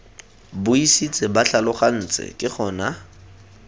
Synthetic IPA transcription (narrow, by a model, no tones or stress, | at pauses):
bʊisit͡sʼɪbaɬalʊχan̩ːt͡sʼɪ̰kʼɪχʰɔːna